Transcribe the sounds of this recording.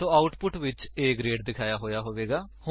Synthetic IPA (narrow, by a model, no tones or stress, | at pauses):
õːaːʊʈpʊʈʋɪt͡ʃeːkɾeːɖd̪ɪkʰaːjaːɦoːjaːɦoːʋeːɡaːhʊ